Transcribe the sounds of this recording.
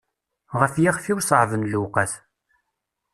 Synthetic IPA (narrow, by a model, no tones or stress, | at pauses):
ʁəfjiʁfiwsˤʕvənluqəθ